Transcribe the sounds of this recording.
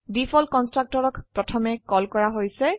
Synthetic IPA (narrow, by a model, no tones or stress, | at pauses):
dipʰɔlkɔnstɹak̚tɔɹɔkpɹɔtʰɔmɛkɔlkɔɹaɦojsɛ